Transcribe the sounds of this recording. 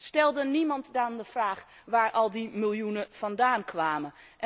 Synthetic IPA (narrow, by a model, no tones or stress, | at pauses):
stɛlˠdənimɑntdandəv̥raːχ | ʋaːɹʔɑlˠdimɪlˠjunəv̥ɑndaːnkʋaːmən | ʔ